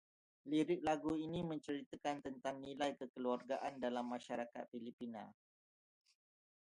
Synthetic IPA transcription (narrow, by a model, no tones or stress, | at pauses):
liɾɪk̚laɡuinimə̃ɲt͡ʃəɾit̪akant̪ənt̪aŋnĩlajkəkəluarɡaʔandalamːãʃaɾaka̰t̪̚filipinã̰